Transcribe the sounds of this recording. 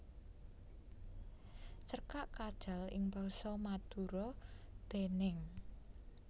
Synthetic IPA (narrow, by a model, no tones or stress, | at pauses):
t͡ʃərkaʔkad̥ʒ̥a̤lɪŋbasɔmad̪̥uɾɔd̪̥e̤nɪŋ